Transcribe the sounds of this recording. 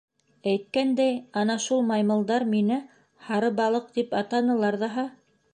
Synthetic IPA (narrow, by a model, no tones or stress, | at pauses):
æjt̪̚kænd̪æjɑnɑʃulˠmɑjmɤ̆lˠd̪ɑɾminɘ | hɑɾɤbɑlˠɤq̚t̪ipɑt̪ɑnɤ̆lˠɑɾðɑɦɑ